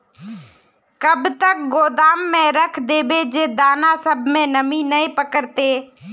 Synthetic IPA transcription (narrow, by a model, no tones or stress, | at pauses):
kəbt̪ək̚ɡoːd̪aːmːẽːɾəkʰd̪eːbeːd͡ʒeːd̪aːnaːsəbʱmẽːnəmĩːnəĩpəkəɾt̪eː